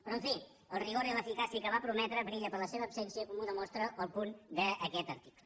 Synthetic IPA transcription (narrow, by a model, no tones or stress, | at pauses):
pɾɔəɱfi | əlˠriɣoɾiləfikasiəkəβapɾumɛt̪ɾəbɾiʎəpəɾləseβəːpsensiəkɔmuðəmɔst̪ɾəʔəlˠpund̪əəkɛt̪əɾt̪i̥klˠə